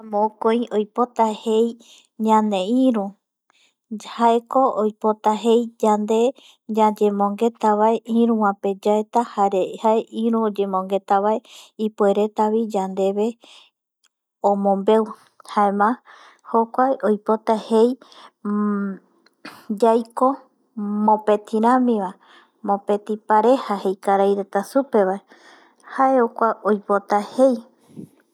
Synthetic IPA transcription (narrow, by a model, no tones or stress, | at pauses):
amõkoĩojpo̞t̪ahe̞j | ɲãnẽ̞ĩɾũ | haeko̞ojpot̪aɦe̞jd͡ʒand̪e̞ | d͡ʒad͡ʒe̞mõŋɡe̞t̪aβaeʔĩɾũwãped͡ʒaet̪ahaɾehaeʔĩɾũod͡ʒe̞mõŋɡe̞t̪aβae̞ipue̞ɾet̪aβid͡ʒand̪e̞βe̞ | õmõ̞mbe̞w | haemã | hokʷajʔojpo̞t̪ahej | d͡ʒajko̞ | mõ̞pe̞t̪ʰiɾãmĩʋa | mõ̞pe̞t̪ipaɾe̞hahe̞jkaɾajɾe̞t̪asupe̞βae | haeokʷaʔojpot̪ahe̞j